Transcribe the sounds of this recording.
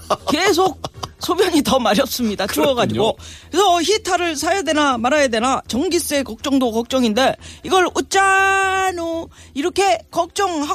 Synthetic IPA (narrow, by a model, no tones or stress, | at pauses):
ke̞s̬ʰok̚sʰobjʌɲitʌmaɾjʌs͈ɯmɲidat͡ɕʰoʌɡad͡ʑiɡokɾesʰʌːçitʰaɾɯɭsʰajʌdwe̞namaɾajade̞nat͡ɕʌŋɡis͈e̞kʌk̚t͡ɕ͈ʌŋdokʌk̚t͡ɕ͈ʌŋinde̞iɡʌɭut͡ɕ͈anuiɾʌkʰe̞kʌk̚t͡ɕ͈ʌŋɦa